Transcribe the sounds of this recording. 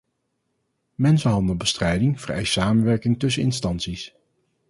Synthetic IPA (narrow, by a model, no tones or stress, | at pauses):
mɛnsəɦɑndəlˠbəstrɛjdɪŋv̥əɹɛ̰jstsaːmənʋɛɹkɪŋtɵsəɪ̰nstɑnsis